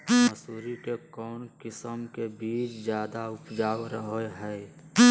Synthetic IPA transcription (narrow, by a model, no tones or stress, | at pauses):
məsuːɾikekɔːnkɪsəmkebiːt͡ʃd͡ʒjaːd̪aʊpd͡ʒaːwɾəɦoɦɛɪ